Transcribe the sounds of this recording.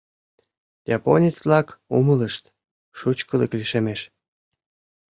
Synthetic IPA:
jɑponʲit͡sβlɑkumələʃt̪ | ʃut͡ɕkəlḛkliʃemeʃ

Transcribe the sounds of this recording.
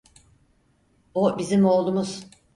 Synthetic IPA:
obizimo̞lˠd̪umuz̥

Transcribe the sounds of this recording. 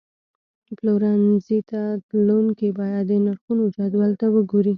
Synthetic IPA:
ploɾanzit̪ad̪lonkebɑjad̪ːənaɾxunod͡ʒɑd̪wɑlt̪awəɡoɾi

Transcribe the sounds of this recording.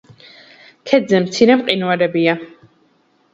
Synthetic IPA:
kʰɛd̪zɛmt̪sʰiɾɛmqʼinuaɾɛbia

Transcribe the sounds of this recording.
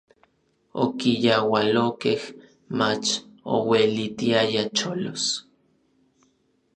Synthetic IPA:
o̰kijawalokeh | mat͡ʃo̰welit̪iajat͡ʃolos

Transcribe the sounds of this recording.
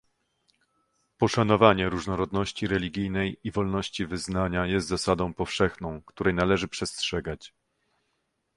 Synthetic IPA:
pɔʂanɔvaɲɛɾuʐnɔɾɔd̪nɔɕt͡ɕiɾɛlʲiɡʲijnɛjivɔlnɔɕt͡ɕivɘznaɲajɛst̪zasad̪ɔ̃w̃pɔfʂɛxnɔ̃w̃kt̪uɾɛjnalɛʐɘpʂɛstʂɛɡat͡ɕ

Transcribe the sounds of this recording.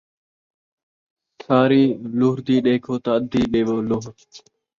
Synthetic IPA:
tʰaːɾiːlʊɦɾd̪iːɗeːkʰoːt̪aəd̪ʱːiːɗeːʋoːlʊɦɾ

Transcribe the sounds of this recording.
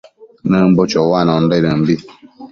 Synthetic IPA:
nəm̩bot͡ʃɔwanɔn̩dɔɾəm̩bi

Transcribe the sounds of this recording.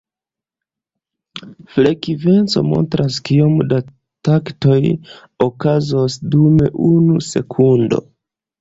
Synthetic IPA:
fle̞kive̞nt͡so̞̰mo̞̰ntɾʔaskiomda | takto̞j | okazosdume̞̰ʔunuse̞kʰundo̞̰

